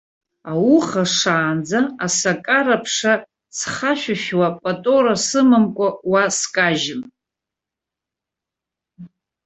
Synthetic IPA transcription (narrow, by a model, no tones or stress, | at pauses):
awuχaʂaːnd͡zaasakʼaɾapʰʂa | sχaʃᶣaʃwapʼatʼoɾasɨmɨmkʷʼawaskʼaʒɪm